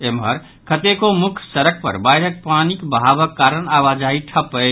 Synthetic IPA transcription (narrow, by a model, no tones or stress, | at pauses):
emɦəɾ | kʰət̪ekomukʰsəɾək̚ʰpə̰ɾbajɾək̚panikbəɦabəkːaɾənaʋad͡ʒaiʈʰəpəj